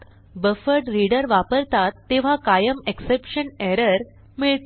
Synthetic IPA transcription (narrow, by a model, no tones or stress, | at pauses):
bəfəɽɾiɽəɾʋapəɾt̪at̪ːeʋ̤akajəmeksepɕənɛɾəɾ | miɭt̪